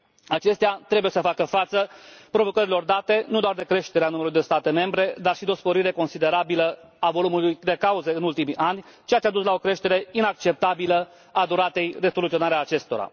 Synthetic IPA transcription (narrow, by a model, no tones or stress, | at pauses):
at͡ʃe̞st̪eat̪ɾe̞buje̞səfakəfat̪səpɾo̞vo̞kəɾilo̞rd̪at̪e̞nud̪oard̪e̞kɾe̞ʃt̪eɾeanumelulud̪e̞st̪at̪e̞me̞mbɾe̞d̪arʃid̪eo̞spo̞ɾiɾe̞ko̞nsid̪e̞ɾabilə | avo̞lumulujd̪e̞kauzəɨnult̪imiʔanʲt͡ʃeat̪ʲad̪uslao̞kɾe̞ʃt̪e̞ɾe̞inak̚t͡ʃe̞p̚t̪abilə | ad̪uɾat̪e̞jre̞solut̪io̞naɾeaːt͡ʃe̞st̪o̞ɾa̰